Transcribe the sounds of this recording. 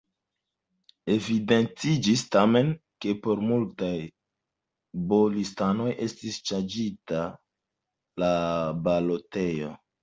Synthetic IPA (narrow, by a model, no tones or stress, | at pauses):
e̞vide̞nt͡sid͡ʒistame̞nke̞po̞ɾmultaj | bolistano̞jʔe̞stist͡ʃand͡ʒita | labalo̞te̞jo̞